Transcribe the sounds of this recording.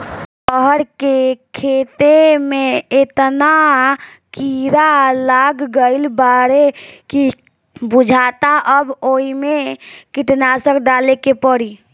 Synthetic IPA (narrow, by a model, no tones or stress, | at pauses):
pəɦəɾkekʰet̪emẽet̪na | kiɾalaɡːəɪlbaɾeki | bʊd͡ʒʱaːt̪aʔəboːimekiʈnasəkɖaːlekepəɽi